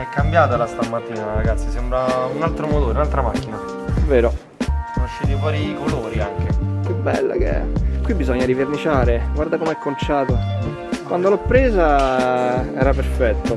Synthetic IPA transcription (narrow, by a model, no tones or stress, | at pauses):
ɛkːambjaːt̪alast̪amat̪ːiːnaɾaɡat̪sːisɛmbɾaunalt̪ɾomot̪oːɾeunalt̪ɾamak̟ːina | ɛveːɾo | knaʃːet̪ifwɔːɾikoloːɾiaŋkepjubːɛ̰lːa̰k̟ḛkːwibːizɔɲːaɾivernit͡ʃaːɾeɡward̪akomeɛkːont͡ʃaːt̪o | kwʔand̪olɔpːɾeːza | ɛːɾaperfɛt̪ːo